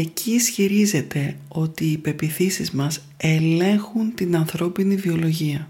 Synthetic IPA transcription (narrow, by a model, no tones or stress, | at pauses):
e̞cʰisçiɾize̞t̪e̞o̞t̪iːpe̞piθisizmɐs | e̞le̞ŋxunt̪inɐnθɾo̞pinivio̞lo̞ʝiɐ